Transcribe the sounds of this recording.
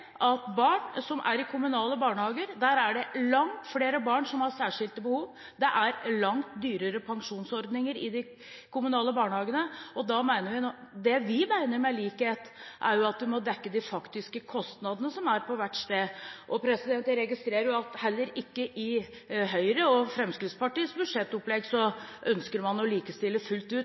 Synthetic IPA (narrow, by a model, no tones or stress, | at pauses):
ʔɑt̪bɑːɳsɔmʔæ̰ɾɪkʰʊmʉnɑːləbɑːɳəhɑːɡəɾd̪æːɾæɖɛlɑŋt̪fleːɾəbɑːɳsɔmhɑɾsæːʂɪlt̪əbəhuːʋ | d̪ɛʔæɾlɑŋt̪d̪yːɾəɾəpʰɑŋʂuːnsɔɾd̪nɪŋəɾɪd̪ɪ | kʰʊmʉnɑːləbɑːɳəhɑːɡənəɔd̪ɑmæɪnəɾʋɪnɔːd̪ɛʋɪmæɪnəɾmɛliːkheːt̪ʔæ̰ɾjʊɑt̪d̪ɪmɔd̪ɛkːəd̪ɪfɑkt̪ɪskəkʰɔst̪nɑd̪ənəsɔmæɾpʰɔʋæʈst̪eːʔɔpʰɾɛsɪd̪ɛnt̪əɾɛɡɪst̪ɾeːɾəjʊɑt̪hɛlːəɾɪkːəʔɪ | ɦœʏɾəɔfɾɛmskɾɪt̪spɑʈiːəsbʉd̪ʂɛt̪ːɔplɛɡsɔʔœnskəɾmɑnɔliːkəst̪ɪlːəfʉlt̪ʉːt̪